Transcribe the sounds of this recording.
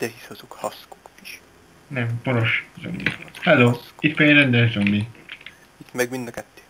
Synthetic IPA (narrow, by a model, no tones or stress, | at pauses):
d̪̥ɛhiʃɒzokhɒsko̥ko̥ki̥ʃ | nɛmponoʃzø̰mːḭhɛlːoːit̪pɛiɾɛnd̪ɛlzømːi | it̪mɛɡmind̪ɒkɛt̪ːe̥ː